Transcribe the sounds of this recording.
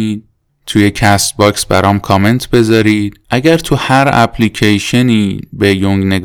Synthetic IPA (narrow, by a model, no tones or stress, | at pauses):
i | t̪ʰuje̞cʰæst̪̚bɒksbæ̰ɾɒːmkʰɒːme̞nt̪ʰbe̞zɒːɾiːd̪̥̚ʔæɟæɾt̪ʰuhæɾæ̰pʰlicʰejʃeniːbe̞joŋɡne̞ɡ